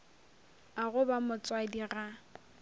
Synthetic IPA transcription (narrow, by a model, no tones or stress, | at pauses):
aɣʊbamʊt͡sʼwadira